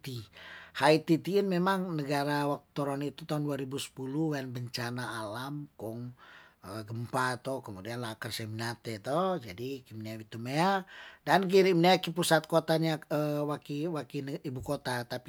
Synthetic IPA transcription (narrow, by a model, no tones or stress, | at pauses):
t̪ihait̪it̪iːnmemaŋnəɡaɾawak̚tu̥t̪oɾɔnit̪ut̪aunduaɾibusə̥puluwanbəɲt͡ʃanaːlamkɔŋəɡəmpat̪ɔkəmudianlakərseminat̪ɛt̪od͡ʒadikimneawit̪umeadank̬iɾimneakipusat̪̚kot̪aɲaəwakiwakinibukot̪at̪ap